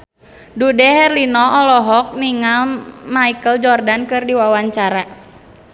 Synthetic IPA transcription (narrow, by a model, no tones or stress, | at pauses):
dudɛɦɛrlinɔʔɔlɔɦɔk̚miŋalmaikəld͡ʒɔrdankɨrdiwawaɲt͡ʃaɾa